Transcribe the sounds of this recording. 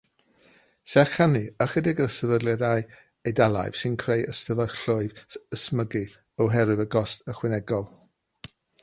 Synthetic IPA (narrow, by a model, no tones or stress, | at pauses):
sɛχaniəχɛdɪɡəsəvədlˠjadaj | ejdalˠa̰jv̥sɪnkʰr̥ejəstəvəɬʊɨvəsməɡɨ | ɔwɦɛɾɨvəɡɔstʰəχwɪnɛɡɔlˠ